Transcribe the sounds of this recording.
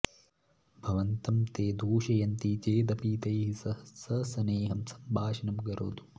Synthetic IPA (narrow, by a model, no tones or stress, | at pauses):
bʱɐʋɐnt̪ɐmt̪eːd̪ʱuːʃɐjɐnt̪it͡ʃeːd̪ɐpiːt̪ɐjɦisɐɐsɐsɐneːɦɐmsɐ̥mbʱaːʃɐnɐmɡɐɾo̰ːd̪u